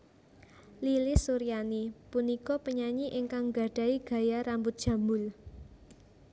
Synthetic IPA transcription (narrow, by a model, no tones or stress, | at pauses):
lilisuɾianipunikɔpəɲaɲiʔɪŋkaŋɡa̤ɖ̥ä̤iɡ̥a̤jaɾambʊt̪̚ʒ̥a̤mbʊl